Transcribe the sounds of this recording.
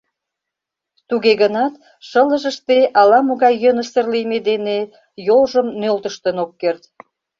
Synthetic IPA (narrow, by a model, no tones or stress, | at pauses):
t̪uɣeɣənɑt̪ | ʃələʒəʃt̪eɑlɑmoɣɑjːənəsərlimed̪ene | jolʒəmnølt̪əʃt̪ənokːert̪